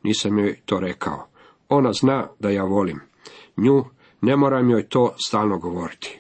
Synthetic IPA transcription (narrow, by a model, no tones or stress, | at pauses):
niːsamjojt̪o̞ːɾekʰa̰o | o̞naznaːd̪ajaːʋo̞lim | ɲuː | ne̞moːɾamjojt̪o̞ːst̪aːlˠnoɡoʋo̞ɾit̪ʰi̥